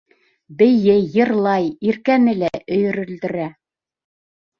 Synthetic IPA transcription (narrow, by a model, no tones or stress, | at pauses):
bɘ̆jɘjɤ̆ɾlˠɑjiɾkænɘlæʔɵ̆jɵ̆ɾɵ̆ld̪ɘ̆ɾæ